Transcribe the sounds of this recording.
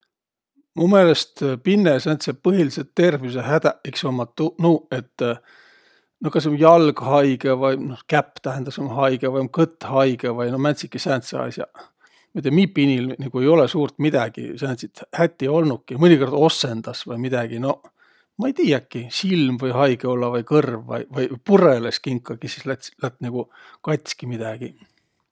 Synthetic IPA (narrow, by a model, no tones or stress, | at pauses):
mumele̞st̪pinːesænt̪sepɤɦiliset̪ːe̞rvius̬eɦæd̪æʔiksomːɑt̪ːunue̞t̪ː | nokɑs̬emjɑlɡ̥hɑjɡ̥evɑjnohkæpːt̪æɦend̪ɑsemhɑjɡ̥evɑjmkɤt̪ːˑhɑjɡ̥evɑjnomænʲt̪sit̪kisænt̪seɑ̰sʲjɑ̰ | mit̪ˑːemipːinʲilniɡ̥ue̞jo̞lesuːrt̪mid̪̥ɑɡ̥ḭsænt̪sit̪hæt̪ʲːio̞lnukːimɤnʲiko̞rd̪̥o̞se̞nd̪̥ɑsvɑjmid̪ɑɡ̥ino̞ | mɑejt̪iːjɑkːisilmvɤjhɑjɡ̥eolːɑvɑjkɤrvːɑ̰jvɑjpureleskiŋkːˑɑɡisislæt̪slæt̪ːniɡ̥u | kɑt̪ʲskimid̪̥ɑɡ̥i